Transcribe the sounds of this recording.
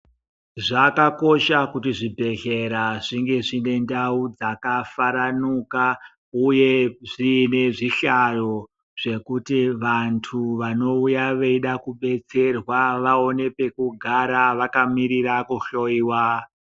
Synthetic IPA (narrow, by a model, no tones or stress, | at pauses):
ʐakako̞ʃakutiʐibʱe̞ɮe̞ɾaʐiŋɡe̞ʐine̞ndaud͡zakafaɾanuka | uje̞ʐine̞ʐiɬajo̞ | ʐ̥e̞kutiʋantʰuʋano̞ujaʋeiɗakuɓe̞t͡se̞rwaʋao̞ne̞pe̞kuɡʱaɾaʋakamiɾiɾakuɬo̞iwa